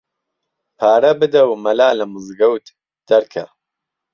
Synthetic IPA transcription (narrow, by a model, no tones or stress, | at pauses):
pʰaːɾɐbɨd̪ɐwmɐlaːlɐmɨzɡɐwt̪ | d̪̥ɐɾkʰɐ̰